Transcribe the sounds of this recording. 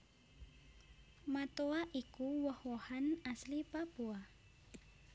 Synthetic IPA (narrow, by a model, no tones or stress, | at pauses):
mat̪oaʔikuwɔhwɔhanaslipapua